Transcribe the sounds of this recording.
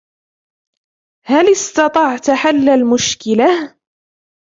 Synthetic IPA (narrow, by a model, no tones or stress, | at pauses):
halɪst̪ɑt̪ˤɑʕt̪aħalːalmʊʃkɪlah